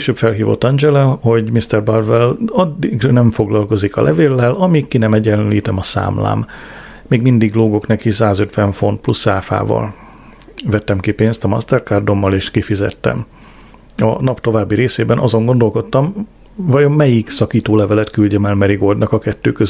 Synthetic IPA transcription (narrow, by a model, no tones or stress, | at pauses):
eːʃøːpfɛlɦiːvo̞̰t̪ːɒnd͡ʒɛlɛho̞ɟmist̪ɛrbɒrvɛlɒd̪ːiɡrnɛɱfo̞ɡlɒlko̞zikɒ̰lʔɛveːlːɛlɒmikkːinɛmɛɟːɛnlḭːt̪ɛmɒsa̰ːmla̰ːmː | eːɡmind̪iɡloːɡo̞knɛkisaːzøt̪ʋɛɱfo̞nt̪̚plusaːfa̰ːvɒ̰l | vɛt̪ːɛmkipeːnst̪ɒmɒ̰st̪ɛrkaːrd̪o̞mːɒleːʃkifizɛ̰t̪ːɛ̰m | ɒ̰nɒpt̪o̞vaːbːiɾeːseːbɛnʔɒzo̞ŋɡo̞nd̪o̞lko̞t̪ːɒm | vɒjomːɛjiksɒkiːt̪oːlɛvɛlɛt̪kylɟɛmɛlmɛɾiɡo̞ld̪nɒkɒkɛt̪ːøːkøz